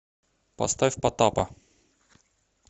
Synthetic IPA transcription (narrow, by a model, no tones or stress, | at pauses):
pɐ̰st̪afʲpɐt̪apɐ